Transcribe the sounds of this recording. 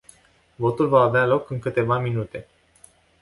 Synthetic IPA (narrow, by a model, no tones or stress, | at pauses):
vo̞t̪ulvaːvealo̞kɨŋkɨt̪e̞vaminut̪e̞